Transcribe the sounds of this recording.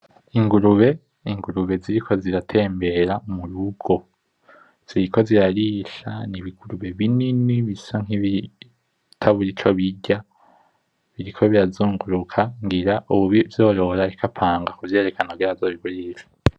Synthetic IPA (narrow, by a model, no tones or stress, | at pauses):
iŋɡuɾuβe̞ | iŋɡuɾuβe̞ziɾikʰo̞ziɾatʰe̞ːmbe̞ɾamuɾuɡo̞ | z̥iɾiko̞ziɾaɾiʃa̰niβiɡ̥uɾuβe̞βininiβisaŋ̥iβi | tʰaβuɾit͡ʃo̞βiɟa | βiɾikʰo̞βiɾazuːŋɡuɾukʰaŋɡiɾaʔuβuβivjo̞ːɾo̞ɾaɾikʰapʰaːŋɡakuvje̞ːɾe̞kanaɡiɾazoːβiβuɾiɾḁ